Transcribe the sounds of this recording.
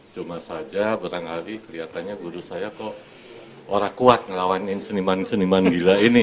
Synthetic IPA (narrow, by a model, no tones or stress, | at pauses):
t͡ʃumasad͡ʒabaɾaŋhaɾikəɾiat̪anɲaɡuɾusajak̪ɔ | oɾakuat̪̚ŋəlawanɪnsənimansənimanɡilainɪ